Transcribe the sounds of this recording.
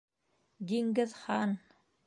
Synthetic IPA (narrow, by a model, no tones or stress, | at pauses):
d̪iŋɡɘðχɑn